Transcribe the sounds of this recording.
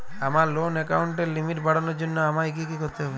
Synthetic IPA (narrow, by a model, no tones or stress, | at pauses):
amaɾlonɛkawɳʈeɾlimiʈbaɽɔnɔɾd͡ʒonːoamaek̬ikikoɾt̪eɦɔbe